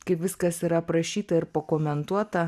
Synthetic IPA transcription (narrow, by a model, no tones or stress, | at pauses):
kɐɪpʋʲɪskɐsiɾɐpɾɐʃʲiːt̪ɐɪɾpokoːmʲɛnt̪uɔt̪ɐ